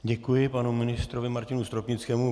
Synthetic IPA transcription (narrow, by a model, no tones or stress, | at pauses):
ɟɛkujɪpanumɪnɪst̪ɾovɪmaɾcɪnust̪ɾopɲɪt͡skɛːmu